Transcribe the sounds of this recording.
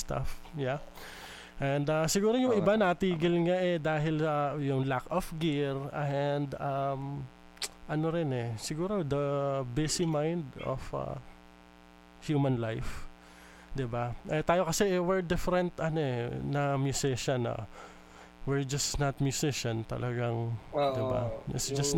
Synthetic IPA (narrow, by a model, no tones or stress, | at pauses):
st̪a̰fja | ʔɛnd̪asɪɡuːɾojʊŋʔɪbanɐɐt̪iːɡɪlŋaʔɛd̪aːɦɪlɐjʊŋlakofɡɪɹɐnd̪am | ʔɐnoɾɪnɛsɪɡuːɾo̞d̪ɐbɛsimajnd̪o̰fʔɐ̰ | hjuːmɐnlajf | d̪ɪbaʔɛt̪aːjo̞kɐsɛʔɛwɛɹd̪ɪfɛɾɛnt̪ɐnoɛnɐmjʊsɪʃɐnɐ̰ | wɪɹd͡ʒɐsnɐt̪̚mjʊsɪʃɐnt̪ɐ̰lʔɐɡaŋd̪ɪba̰ɪsd͡ʒɐs